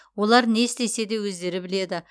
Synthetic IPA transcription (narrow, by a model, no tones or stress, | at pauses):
wo̞lˠɑɾne̞st̪e̞se̞d̪e̞wɵzd̪e̞ɾɪbɪle̞d̪ɪ